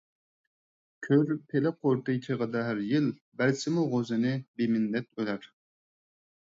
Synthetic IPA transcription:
kʲʰøɾpʰelɪqʰoɾt̪ɨt͡ʃ̪ʰeʁəd̪ɑɦæɾjɪl | bæɾsɪmuʁozɨnɨbemɪnːɛt̪̚ølæɾ

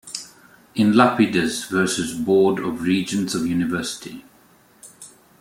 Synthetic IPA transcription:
ɪ̃nlapɪdəzvɜːˑsɪzbɔːdəvɹiːd͡ʒə̃nzəvjʉːnɪvɜˑsɪ̥tʰḭ

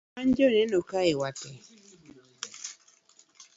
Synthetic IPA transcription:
and͡ʒonɛnɔkaewatɛ

